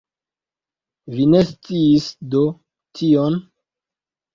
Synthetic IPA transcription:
vine̞st͡siisdo̞ | tʰion

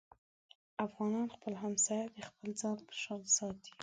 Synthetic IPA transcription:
afɣɑnɑnxpəlɦamsɑjad̪əxpəld͡zɑnpə̥ʃɑnsɑt̪i̥

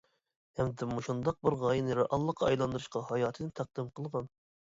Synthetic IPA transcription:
hɛmd̪ɛmuʃund̪ɑq̚bɨɾʁɑːjinɨɾɑʔɑlˠːəqʰːɑɑjlˠɑnd̪ɨɾɨʃqɑhɑjɑːt̪ʰɨd̪ɨnt̪ʰæq̚d̪ɨmqʰəlˠʁɑn

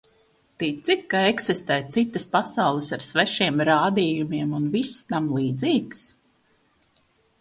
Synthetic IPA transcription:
t̪it̪sikkːaeksist̪ɛːt̪sit̪ːəspasawlˠəsaɾsvɛʃiɛmɾaːd̪iːjumiɛmunvisːnamlˠiːd̪ziːks

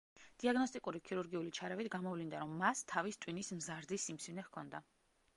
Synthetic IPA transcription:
d̪̥iaɡnɔst̪ʼikʼuɾikʰiɾuɾɡiulit͡ʃʰaɾɛvit̪ʰɡamɔvlind̪aɾɔmːast̪ʰːavist̪ʼwinismzaɾd̪isimsinɛhkʰɔnd̪a

